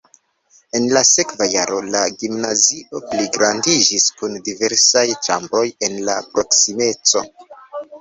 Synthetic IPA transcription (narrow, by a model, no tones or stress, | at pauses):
e̞nlase̞kvajaɾo̞laɡimnaziʔo̞pliɡɾandid͡ʒiskundive̞ɾsajt͡ʃa̰mbɾo̞je̞nlapɾo̞ksime̞t͡so̞̰